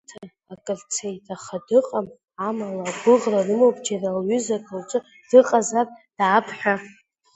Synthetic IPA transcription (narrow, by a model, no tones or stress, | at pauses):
tʰa | akʼɨɮt͡sʰejtʰaχadɨqʼam | amalaɡʷʊʁrarɨmowpʼd͡ʒaralɥʏzakʰʼawt͡ʃʼɨ | d̥ɨqʼazapʼd̥ːpʰħʷᶣa